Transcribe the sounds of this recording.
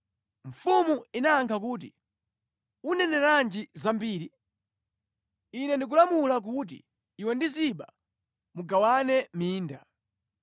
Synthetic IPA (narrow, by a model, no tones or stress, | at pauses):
ɱfumuinaːŋkʰak̬uːt̬ḭ | unɛnɛɾand͡ʒizambiːɾi | inɛndik̬ulamulak̬ut̬ḭː | wɛndiziɓa | muɡawanɛmiːnda